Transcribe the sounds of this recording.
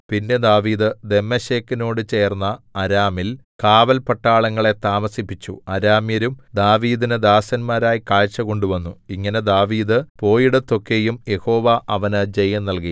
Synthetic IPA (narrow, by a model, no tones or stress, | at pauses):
pinde̞d̪aːʋiːd̪ɨd̪e̞mːɐɕeːkːino̞ːɽɨt͡ɕe̞ːrnːɐɐɾaːmil | kaːʋɐlpɐʈːaːɭɐŋːɐɭe̞t̪aːmɐsipːit͡ɕːṵɐɾaːmjɐɾumd̪aːʋiːd̪inɨd̪aːsɐnmaːɾaːjikaːɻt͡ɕːɐko̞ɳɖuʋɐnːuiŋːɐne̞d̪aːʋiːd̪ɨpo̞ːjiɽɐt̪ːo̞kːe̞jumje̞ho̞ːʋaʔɐʋɐnɨd͡ʑe̞jːɐnːɐlki